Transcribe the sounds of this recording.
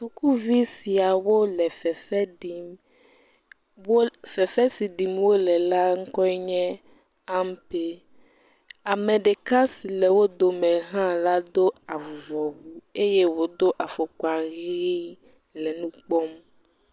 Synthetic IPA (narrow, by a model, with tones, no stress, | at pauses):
su˨ku˦vi˦si˨a˨wo˦lɛ˨fɛ˨fɛ˦ɖi˨˦m | wo˦fɛ˨fɛ˦si˨ɖi˨mwo˦lɛ˨la˦ŋ̩˦kɔ˦ɛ˦ɲɛ̃˦ | a˦m˦pe˦ | a˨mɛ̃˨ɖe˨ka˦si˨lɛ˨wo˦d̪o˨mɛ̃˨ɦã˦la˦d̪o˦a˨vɔ˨wu˦e˦je˦wo˦d̪o˦ʔa˨fo˨kɔ˨a˨ɣɣi˦ | lɛ˨nũ˦k͡pɔ˦m